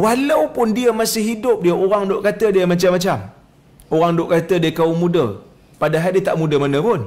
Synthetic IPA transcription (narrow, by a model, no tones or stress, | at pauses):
walawpʊndiəmasɪhɦidʊp̚diəʔoɾaŋdoʔkat̪ədiəmat͡ʃamat͡ʃam | oɣaŋdʊʔkat̪ədiəkaumudə | padaɦadit̪aʔmudəmanə̃pʊn